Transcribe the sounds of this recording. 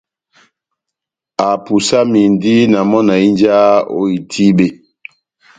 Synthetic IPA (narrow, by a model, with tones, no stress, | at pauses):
a˨pu˨sa˦mi˨ndi˦na˨mɔ˦na˨i˦nd͡ʒa˦o̰˦i˨tʰi˦ɓe˨